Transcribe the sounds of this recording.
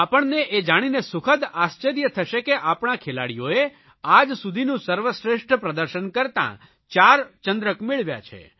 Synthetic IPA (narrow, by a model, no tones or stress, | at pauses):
apəɳneʔed͡ʒaɽ̃inesʊkʰəd̪ast͡ʃəɾijət̪ʰəʃekeʔapɳ̃akʰela̰ɽijoe | ad͡ʒsud̪ʱinũsəɾʋəsɾeʃʈəpɾəd̪əɾʃənkəɾt̪ã̰ | t͡ʃaɾt͡ʃənd̪ɾəkmɪɭʋja̰t͡ʃʰḛ